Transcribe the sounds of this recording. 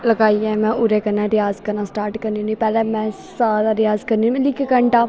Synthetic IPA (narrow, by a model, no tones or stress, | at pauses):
ləɡaːiːãːmɛ̃ːʊɾeːkənːãːɾɪjaːzkəɾnãːsʈaːɾʈkəɾniːũniːpɛːlɛːmɛ̃ːsaːd̪aːɾɪjaːzkəɾniːmɛ̃lɪkːkəɳʈaː